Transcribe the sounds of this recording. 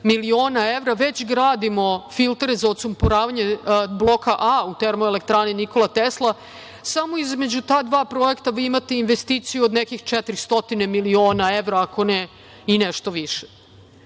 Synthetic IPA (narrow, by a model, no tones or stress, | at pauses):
milioːnaeʋɾaʋet͡ɕɡɾaːd̪imo̞filˠt̪ɾezaot̪sumpoɾaːʋaɲe̞blˠokaʔaut̪eɾmoelek̚t̪ɾaːniniko̞lat̪eslˠa | samo̞izme̞d͡ʑut̪aːd̪ʋaːpɾo̞e̞kt̪aʋiimat̪einʋest̪iːt̪sijuod̪nekixt͡ʂɛt̪ɾist̪ot̪ine̞milio̞ːnaeʋɾaːko̞ne | ineʃt̪oʋiʃe̥